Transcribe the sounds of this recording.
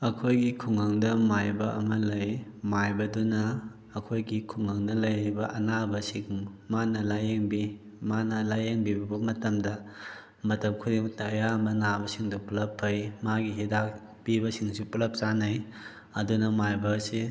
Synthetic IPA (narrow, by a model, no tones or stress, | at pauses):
ɐkʰojɡikʰuŋɐŋdɐmajbɐʔɐ̰mɐlɐjmajbɐdunɐː | kʰojɡikʰuŋaŋnɐlɐjɾibɐʔɐnabɐsiŋmanɐlajeŋbi | manɐlajeŋbibɐbɐmɐtɐmdɐ | mɐtɐp̚kʰudeŋtɐjaɐmbɐnabɐsiŋdupulɐpʰːɐjmaɡiɦidak | pibɐsiŋsupulɐp̚t͡ʃanɐj | ɐdunɐmajbɐse